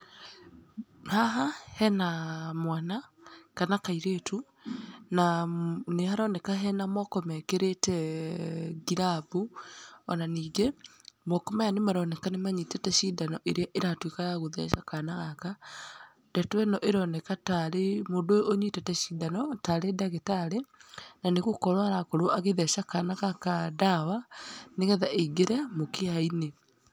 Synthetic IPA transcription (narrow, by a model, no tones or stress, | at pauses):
haɦahɛnamwanakanakaiɾetʰu | nanehaɾɔnɛkaɦɛnamɔkɔmɛkeɾetɛ | ɡiɾabuɔnaniːɡemɔkɔmajanemaɾɔnɛkanemaɲitɛtɛʃidanɔʔeɾeaʔeɾatwikajaɣoðɛ̰ʃakanaɣaka | dɛtwɛnɔʔeɾɔnɛkataɾemoːndooɲwitɛtɛʃidanɔtaɾedaɣetaɾenaneɣokɔɾwaɾakoɾoaɣeðɛʃakanaɣakadawaneɣɛðaʔeɡeɾɛmokeaine